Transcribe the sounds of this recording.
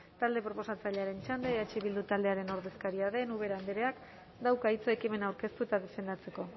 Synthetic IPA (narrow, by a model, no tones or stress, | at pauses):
t̪ald̪e̞pɾo̞po̞sat͡saʎeaɾe̞nt͡ʃand̪eat͡ʃiβild̪ut̪ald̪e̞aɾe̞no̞ɾðe̞skaɾiaðe̞nuβ̞e̞ɾaːnd̪eɾe̞ak | d̪awkait͡so̞e̞kime̞nawɾke̞st̪uet̪aðe̞fe̞nd̪at͡se̞ko̞